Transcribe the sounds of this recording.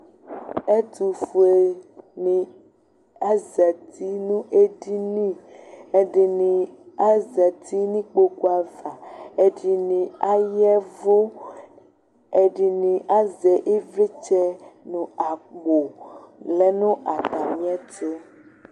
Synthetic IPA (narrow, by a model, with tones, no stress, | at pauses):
e˦t̪u˨fu˨e˨nĩ˨ | a˦zɛ˨t̪ʰi˦nũ˦ʔe˦ɖi˦nĩ˦e˦ɖe˨nĩ˨a˦zɛ˨t̪ʰi˦nĩ˦k͡po˦ko˦a˨va˨e˦ɖi˨nĩ˨a˦jɛ˦vo˦ | e˨ɖi˨nĩ˨ʔa˦zɛ˨ʔe˦ve˦t͡ʃɛ˦nũ˨a˨k͡po˨lɛ˦nũ˦ʔa˨t̪a˨mĩ˦ɛ˦t̪e˦